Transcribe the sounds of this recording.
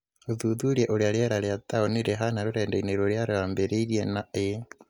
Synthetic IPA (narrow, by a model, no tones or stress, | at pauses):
oðuðuɾjɛʔoɾjaɾjɛɾaɾjataoniɾeɦanaɾoɾɛːndɛineɾoɾjaɾeambeɾeiɾiɛnae